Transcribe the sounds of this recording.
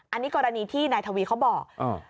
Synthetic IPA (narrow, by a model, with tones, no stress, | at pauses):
ʔa˧nːiː˦˥kɔː˧ɾa˧niː˧t̪ʰiː˥˩naː˧jt̪ʰa˧wiː˧kʰa˦˥wbɔː˨˩k̚ʔa̰˨˧˩